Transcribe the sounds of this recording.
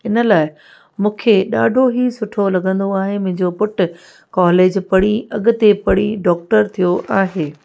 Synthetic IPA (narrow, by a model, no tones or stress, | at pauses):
ɪnə̆laːɪ | mũːkʰeɗaːɖʱoɦisʊʈʰolɐɡʱə̃nd̪oaːɦemʊ̃ɦɪ̃ɲd͡ʑopʊʈʊ̆ | kaːleːd͡ʑpɐɽ̃iɐɠʊ̆t̪epɐɽiɖɔːk̚ʈəɾt̪ʰijoʔaːɦeː